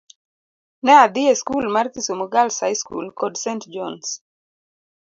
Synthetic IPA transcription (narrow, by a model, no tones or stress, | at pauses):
nɛad̪ɪeskulmart̪isomoɡalsajskṵlkɔdsentd͡ʒɔns